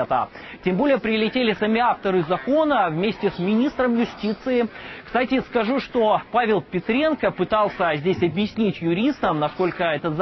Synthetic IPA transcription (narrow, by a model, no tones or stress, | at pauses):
t̪ə̰ | tʲembo̞lʲɪjəpɾʲɪlʲɪtʲelʲɪsɐmʲiaft̪əɾɨzɐko̞nəvmʲesʲtʲɪsmʲɪnʲist̪ɾəmjʊsʲtʲit̪sɨɪkst̪atʲɪskɐʐuʂt̪opavʲɪlˠpʲɪt̪ɾʲe̞nkəpɨt̪ɑlˠsʲəzʲdʲesʲɐbjɪsʲnʲitʲjʊɾʲist̪əmnɐsko̞lʲkəɛt̪ət̪z